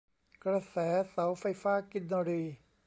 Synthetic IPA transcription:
kɾa˧sɛː˩˦sa˩˦wfa˧jfaː˥˩ki˧˥n̚daː˧ɾiː˧

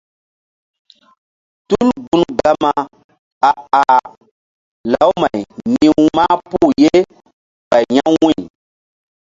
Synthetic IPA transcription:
tu˦lɡu˨nɡa˦ma˨ | a˨a˨ | la˨˦wma˨jɲĩ˦maː˦pu˦˨je˦ | ba˨jɲa˦wĩ˦˨

